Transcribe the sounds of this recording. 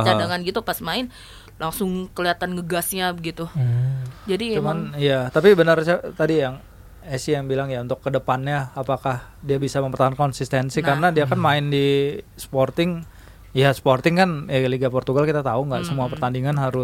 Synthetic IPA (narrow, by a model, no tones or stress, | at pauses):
t͡ʃadaŋanɡit̪upasmaɪn | lʔaŋsʊŋkəliat̪anɡəɡasɲaɡit̪u | d͡ʒadit͡ʃumanijat̪apibənərsat̪adijaŋ | ɛsijaŋbilaŋjaunt̪ʊkːədəpanɲaːpakah | diabisaməmpərt̪aɦunkɔnsist̪ɛnsikarnadiakanmaɪndisə̥port̪ɪŋ | jasə̥port̪ɪŋkanaliɡapɔrt̪uɡalkit̪at̪auŋɡaʔsəmuapərt̪andiŋanɦaɾʊ